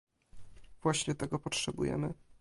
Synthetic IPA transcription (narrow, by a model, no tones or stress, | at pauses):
vwaɕɲɛt̪ɛɡɔpɔtʂɛbṵjɛ̰mɘ